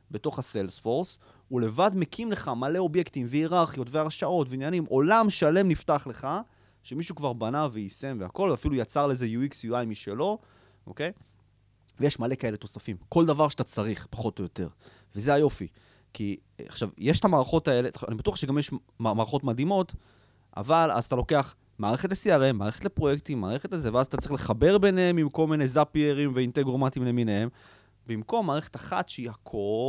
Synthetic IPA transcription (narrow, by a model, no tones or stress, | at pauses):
be̞to̞χaselsfo̞ʁs | ule̞vadme̞kʰimle̞χamaleo̞bje̞ktimveiʁaʁχijo̞tveaʁʃao̞tveinjanimʔo̞lamʃale̞mniftaχle̞χa | ʃemiʃukvaʁbanaveise̞mveako̞lveafilujat͡saʁleezejuiksjuajmiʃe̞lo̞ | ʔo̰kej | vejeʃmale̞kae̞leto̞safimko̞ldavaʁʃatat͡saʁiχpḁχo̞to̞jo̞t̪e̞̰ʁ | vezeajo̞fḭ | kḭ | a̰χʃavjeʃtamaːʁaχo̞tae̞lelaa̰nibat̪uaχʃeɡamjeʃ | mamaːʁaχotmad̪imo̞t | ʔa̰vala̰zatalo̞ke̞aχ | maːʁeχetlesiaʁema̰ːʁe̞χet̪lepʁojektimːaːʁeχe̞t̪azeveazatat͡sʁiχle̞χabe̞ʁbe̞neemimko̞lmine̞zapieʁimveint̪eɡʁomat̪imleminehem | bimko̞mːaːʁeχetaχa̰tʃeihakʰo